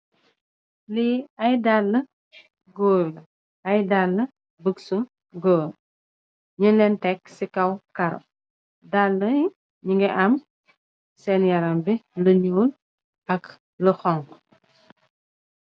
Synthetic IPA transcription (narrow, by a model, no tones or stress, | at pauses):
liɐjdalːə | ɡoːlɐ | ɐjdalːə | bəksu | ɡoːl | ɲəlɛntɛk̚sikɐwkɐɾɐ̰ | dalːə | ɲiŋɡɛʔɐm | sɛnjɐɾɐmbiləɲuːl | ɐk | ləxɔŋ